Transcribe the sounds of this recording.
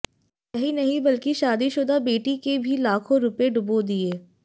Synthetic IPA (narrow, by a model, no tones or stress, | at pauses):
jɐɦinɐɦĩbɐlkiʃaːd̪iʃʊd̪abeːʈikebʱilaːkʰõɾʊpeɖʊbod̪ieː